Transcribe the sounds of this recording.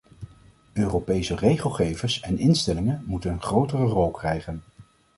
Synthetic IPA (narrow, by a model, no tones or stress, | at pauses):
øːropejsərejχəlˠχejvəsɛnɪnstɛlɪŋənmutənənχrowtərərɔlˠkrɛjχən